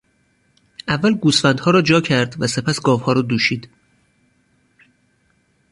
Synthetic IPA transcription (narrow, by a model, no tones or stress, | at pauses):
ʔævːælɡuːsfænd̪hɒːɾɒːd͡ʒɒːcʰæɾd̪væse̞pʰæsɡɒːvhɒːɾɒːd̪uːʃiːd̪